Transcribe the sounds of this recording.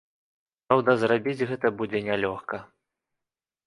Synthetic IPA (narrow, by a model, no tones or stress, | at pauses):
pɾawd̪ɐzrabʲid͡zʲɣɛt̪ɐbud͡zʲɛnʲɛlʲɔxkɐ